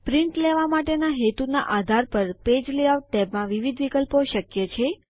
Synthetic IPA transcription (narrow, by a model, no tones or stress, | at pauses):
pɾɪɳʈleʋamaʈenaɦet̪una̰ʔad̪ʱaɾpəɾped͡ʒleaʋt̪emãʋiʋid̪ʱʋikəlpoʃəkjet͡ʃʰe